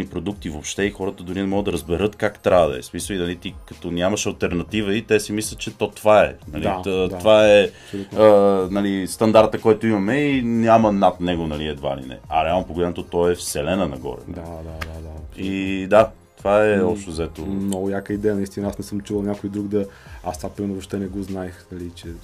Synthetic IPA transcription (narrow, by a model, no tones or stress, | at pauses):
nipɾod̪uk̚t̪ivopʃt̪ɛixɔɾət̪əd̪ʊɾinɛmɔɡəd̪ɐɾəzbɛɾɤt̪kakt̪ɾad̪ɐ̰ɛ̰smisəlinɐlit̪ikɐt̪ɔnʲjamɐʃɐlˠt̪ɛɾnɐt̪ivəit̪ɛsimislʲət̪̚t͡ʃɛt̪ɔt̪vaɛ̰nɐlivaɛ | lənɐlist̪ɐnd̪aɾt̪əkɔjt̪oimɐmɛinʲjamɐnat̪nɛɡonɐliɛd̪va̰lḭnɛ̰ɐɾɛalˠnopoɡolʲɛnot̪ot̪ɔɛfsɛlɛnənɐ̰ɡɔ̰ɾɛ̰n̰ad̪ad̪ad̪aɐpsid̪a | t̪ovaɛɔpʃt̪ozɛt̪omnɔɡʊjakəid̪ɛjənɐist̪inɐasnɛsəmt͡ʃuvəlˠnʲakojd̪ɾuɡd̪ɐast̪vapɾimɛɾnovoʃt̪ɛnɛɡɔznaɛxnɐlit͡ʃɛ